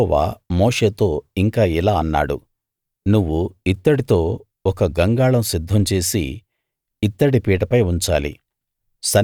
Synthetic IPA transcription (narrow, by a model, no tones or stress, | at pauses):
ɔʋa̰ːmoːʂe̞ːt̪o̞ːiŋkaːilaːɐnːa̰ːɽṵ | nuʋːuit̪ːɐɽit̪o̞ː | ɔkɐɡɐŋɡaːɭɐmsid̪ʱːɐmt͡ʃe̞ːsḭ | it̪ːɐɽipiːʈɐpɐjuɲt͡ʃa̰ːlḭ | sɐ